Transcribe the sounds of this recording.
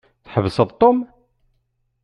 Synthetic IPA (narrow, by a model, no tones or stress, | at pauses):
θħəvəsəðˤt̪ˤːom